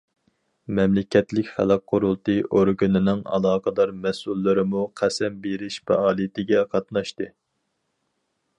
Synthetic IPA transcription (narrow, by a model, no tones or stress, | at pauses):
mɛmlɪkʲʰɛt̪lɪkʲχæ̰lˠɑk̚qʰːʊɾulˠt̪ɨʔoɾɡunɪnɪŋɑ̰lˠɑːqəd̪ɑɾmɛsulˠːɨɾɪmuqʰæsɛmbeɾɪʃfɛ̰ɑːlˠijɪt̪ɪɡʲɛqʰɑt̪nɑʃt̪ɨ